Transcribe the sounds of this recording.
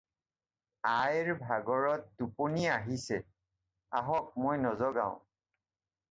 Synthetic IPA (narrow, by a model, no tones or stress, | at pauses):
ajɹbʱaɡɔɹɔt̚duponiaɦisɛ | aɦɔk̚mojnɔzɔɡa̰ʊ̃